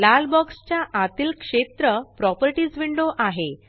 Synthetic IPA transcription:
lalbɔkst͡ɕjaʔat̪iːlkʂet̪ɾəpɾɔpəɾʈiːd͡zʋiɳɖoʔaɦe

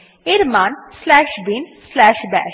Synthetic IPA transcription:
ɪɾmaːnslæːʃbinslæːʃbɛ̰ː

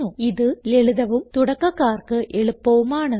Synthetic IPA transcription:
uiðɨleɭɯðɐʋumt̪uɽɐkːɐkːaːrkɨʔɛɭɯpːɐʋumaːɳɨ

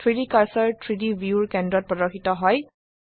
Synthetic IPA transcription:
tʰɹidikaɹsɔɹtʰɹidibʱjuɹkɛndɹɔt̚pɹɔdɔkxʰːitɔɦɔj

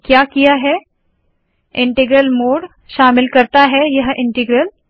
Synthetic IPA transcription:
kjaːkijaɦɛ | ɪ̃ɳʈɪɡɾəlmoːɽ | ʃaːmɪlkɐɾt̪aɦɛjɐɦɪ̃ɳʈɪɡɾəl

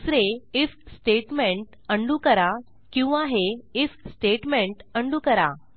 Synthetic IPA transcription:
sɾeisksʈeʈmẽɳʈ | əɳɖukəɾa | kĩw̃ʋãɦeesksʈeʈmẽɳʈəɳɖuːkəɾa̰

